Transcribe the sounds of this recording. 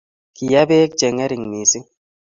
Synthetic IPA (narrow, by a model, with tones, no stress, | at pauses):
ki˨ja˦be˦k̚d͡ʒɛ˨ŋɛ˦ɾi˨ŋmi˨si˦